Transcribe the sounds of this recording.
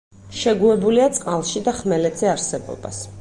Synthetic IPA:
ʃɛɡuɛbuliat̪sʼqʼalˠʃid̪aχmɛlɛt̪z̥ɛaɾsɛbɔ̰ba̰s

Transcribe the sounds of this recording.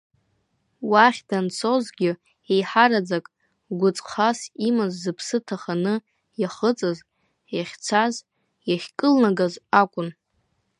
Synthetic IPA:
waχʲdant͡sʰozɡʲɪ | ejħaɾad͡zakʼ | ɡʷʊt͡sʼqʰasimazːɨpʰsɨtʰaχanɨ | jaχət͡sʼɨz | jaχʲt͡sʷʰaz | jaχʲkʼɨlnaɡazakʷʼʊn

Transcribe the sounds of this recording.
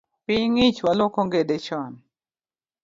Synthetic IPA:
piŋit͡ʃwalɔkɔŋɡedɛt͡ʃɔn

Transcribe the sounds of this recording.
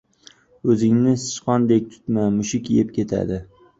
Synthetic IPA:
ɵzɪŋnɪsɪ̥ʃqɒnd̪ek̚ʲt̪ʰʊ̥t̪mamʊʃɪkʲʰijɪpkʲʰe̞t̪ʰa̰d̪ɪ

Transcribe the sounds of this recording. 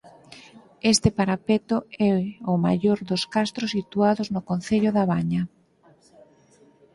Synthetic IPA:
est̪ɪpaɾapet̪ʊɛʊma̰ʎoɾðoskast̪ɾʊsit̪uaðʊznʊkonθeʎʊðaβaɲa

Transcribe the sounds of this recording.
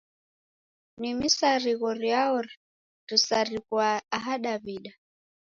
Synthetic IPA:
nimisaɾiɣɔɾiaɔɾi | tisaɾikwaːɦaɗaβiɗa

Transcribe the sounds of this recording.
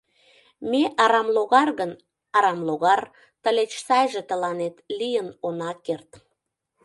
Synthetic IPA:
meʔɑɾɑmloɣɑrɣən | ɑɾɑmloɣɑr | t̪ə̆let͡ɕsɑjʒĕt̪ə̆lɑnet̪lijənonɑkert̪

